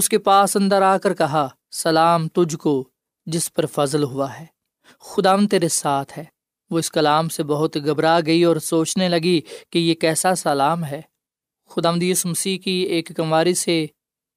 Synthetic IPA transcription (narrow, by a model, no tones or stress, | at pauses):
ʊskepaːsɐ̃nd̪aɾaːkəɾkɐɦa | sɐlaːmt̪ʊd͡ʒko | d͡ʒɪspɐɾfɐzlɦʊaɦɛː | xʊd̪aːʋə̃nd̪̚t̪eːɾesaːt̪ʰɦɛː | ʋoːɪskɐlaːmsebɐɦʊt̪ɡɐbɾaɡɐiɔːɾsoːt͡ʃnelɐɡikejekɛːsasɐlaːmɦɛː | xʊd̪aːʋə̃nd̪juːsumɐsiːkieːkɡɐmaːɾise